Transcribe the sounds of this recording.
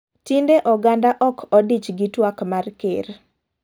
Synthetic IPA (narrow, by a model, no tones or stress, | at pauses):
tindeʔɔɡandaʔɔkʰɔdit͡ʃɡitwakmarkḛr